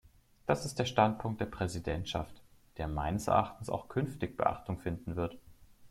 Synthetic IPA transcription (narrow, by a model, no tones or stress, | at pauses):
d̥asɪstd̥eːɐʃtant̚pʰʊŋkt̚d̥eːɐpʁ̥ɛzidɛntʃaftd̥eːɐma̰ɪnəsɛ̰ɐʔa̰χtn̩sa̰ʊxkʰʏnftɪçb̥ə̰ʔa̰χtʊŋfɪndn̩vɪɐt